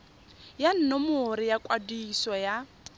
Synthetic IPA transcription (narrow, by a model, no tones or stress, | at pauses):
jan̩nɔmʊɾɪjakʼwadisɔja